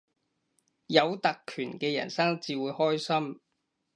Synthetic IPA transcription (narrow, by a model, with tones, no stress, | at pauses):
jɐ˨˧wt̪ɐ˨kʰːyː˨˩nkɛː˧jɐ̰˨˩nsɐ˥ŋt͡siː˧wuː˨˧jhɔː˥jsɐ˥m